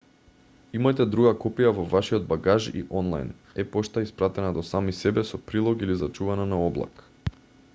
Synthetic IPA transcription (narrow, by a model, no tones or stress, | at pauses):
imajt̪ɛd̪ɾuɡakɔpijavɔvaʃiɔd̪̚baɡaʒḭʔɔnlˠa̰jn | ɛpɔʃt̪aispɾat̪ɛnad̪ɔsamisɛbɛsɔpɾilˠɔɡilizat͡ʃuvananaɔblˠa̰k